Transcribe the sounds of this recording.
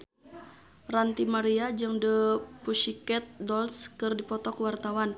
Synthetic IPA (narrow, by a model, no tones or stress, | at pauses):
rant̪imaɾiad͡ʒɨŋdəpuʃikɛt̪̚dɔlskɨrdipɔt̪ɔkwart̪awan